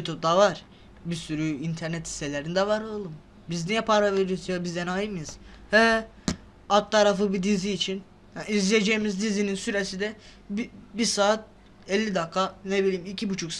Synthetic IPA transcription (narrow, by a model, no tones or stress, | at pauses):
jut̪ʰup̚d̪avaɾ̥ | bisyɾyint̪ʰæɾnɛt̪hi̥selʲeɾinid̪ɛvaɾolˠum | biznɛjɛpʰaɾaveɾisijabizd̪ɛnajɯmɯjɯz̥hɛ | at̪ʰːaɾafɯbid̪iziːt͡ʃʰin | haizlʲijed͡ʒejimizd̪izininsyɾesid̪ɛ | bibisaːt̪̚ | ɛlʲːid̪akʰːanebilʲiːmicʰibut͡ʃʰuks